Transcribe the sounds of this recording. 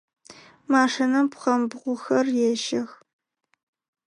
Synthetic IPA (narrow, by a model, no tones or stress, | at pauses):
maːʂinɐmpʰχɐmbʁʷʊxɐrjɛʃɐx